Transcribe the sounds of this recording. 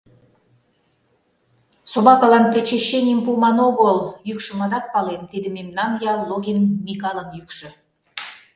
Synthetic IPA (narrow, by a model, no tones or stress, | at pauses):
sobɑkɑlɑnprʲet͡ɕeɕːenʲijəmpumɑnoɡolˠjykʃə̆mɑd̪ɑt̪̚pɑlent̪ed̪ə̆mʲemnɑnjɑːoɣʲenmʲikɑlˠənjykʃə̆